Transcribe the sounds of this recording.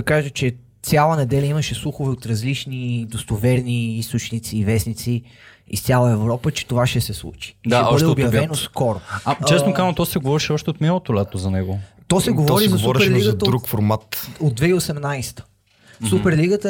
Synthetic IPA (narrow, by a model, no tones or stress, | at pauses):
ɐkaʒət͡ʃɛ | sʲjalˠənɛd̪ɛlʲɐiməʃɛslˠuxovɛot̪ɾɐzlit͡ʃnid̪ost̪ovɛɾniist̪ot͡ʃnit̪siːvɛsnit̪si | ḭst̪sʲalˠəɛvɾɔpət͡ʃɛ̥t̪ovaʃɛsɛslˠṵt͡ʃi̥aʃɛɔəd̪ɛɛobjvɛnoskɔɾoat͡ʃɛsnokazt̪ɔsɛɡovɔɾiʃɛɔʃt̪ɛot̪milˠot̪olɛt̪ozɐnɛɡot̪ɔsɛɡovɾizɐsvɔɾɛʃɾliɡəzɐt̪əd̪ɾukfoɾmat̪od̪̚d̪vɛiosɛmnajst̪ə̥ | supɛɾliɡət̪ə